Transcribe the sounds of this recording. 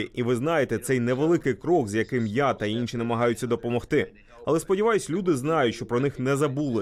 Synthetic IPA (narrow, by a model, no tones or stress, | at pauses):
ɪiʋɪznɑjet̪ɛt̪sɛjnɛʋelˠɪkɪjkɾɔɡzjɐkɪmjat̪ɐinʲʃinɐmɐɦɑjʊt͡sʲːɐd̪ɔpɔmɔxt̪ɪ | ɐlˠɛspɔdʲiʋɑjʊsʲlʲud̪ɪznɑjʊtʲʃt͡ʃɔpɾɔnɪxnɛzɐbulˠɪ